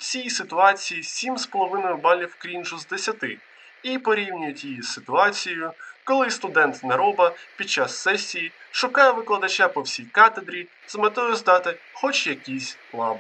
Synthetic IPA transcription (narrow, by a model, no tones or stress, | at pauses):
t͡sʲijsɪt̪ʊɑt͡sʲijisʲimspɔlˠɔʋɪnɔjʊbɑlʲiwkɾʲinʒuzd̪esʲɐt̪ɪ | ipɔɾʲiwnʲʊjʊtʲjijisɪt̪ʊɑt͡sʲijʊkɔlˠɪst̪ʊd̪ɛnt̪nɐɾɔbɐpʲid̪̚t͡ʃasːɛsʲːijiʃʊkɑjɛʋɪklˠɐd̪ɐt͡ʃapɔwsʲijkɑt̪ed̪ɾʲi | zmet̪ɔjʊzd̪ɑt̪ɪxɔt͡ʃjɐkʲisʲ | lˠɑbɪ